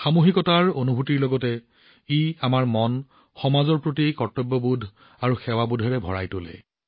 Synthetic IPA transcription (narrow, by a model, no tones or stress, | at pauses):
xamuxikɔtaɹonubʱutiɹlɔɡɔtɛ | iamaɹmɔn | xɔmazɔɹpɹotikɔtɔbːɔbudʱ | aɹuxɛwabudʱɛɹɛbʱɔɹa̰jtolɛ̰